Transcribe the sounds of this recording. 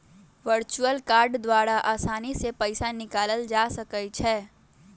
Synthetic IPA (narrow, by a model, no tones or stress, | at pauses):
ʋəɾt͡ʃuəlkaːɾɖd̪waːɾaʔaːsaːnisepəɪsanɪkaːləld͡ʒaːsəkət͡ʃʰɛː